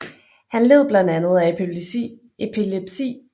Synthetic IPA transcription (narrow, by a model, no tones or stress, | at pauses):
hænle̝ð̰ˠb̥lænd̥ænð̞̩ˠæe | epʰileb̥sḭː